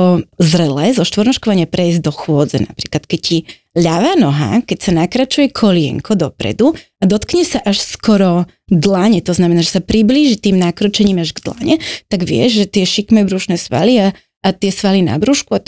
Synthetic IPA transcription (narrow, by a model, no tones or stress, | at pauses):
ɔzɾɛlɛːzɔʃt̪ʋɔɾnɔʃkɔʋaɲɪapɾɛizd̪ɔxwʊɔd͡zɛ̰na̰pɾiːklat̪kɛcci | ʎaʋaːnɔɦa̰kɛcsanakɾat͡ʃujɛkʰɔlɪɛ̰ŋkʰɔd̪ɔpɾɛ̰d̪uad̪ɔt̪kɲɛsaʔaʃskɔɾɔ | d̪laɲɛt̪ɔznamɛnaːʒɛsapɾibliːʒit̪iːmnakɾɔt͡ʃɛɲiːmaʒɡd̪la̰ɲɛt̪aɡʋɪɛ̰ʒʒɛt̪ɪɛʃikmɛbɾuʃnɛsʋa̰lia | at̪ɪɛsʋalina̰bɾuːʃkua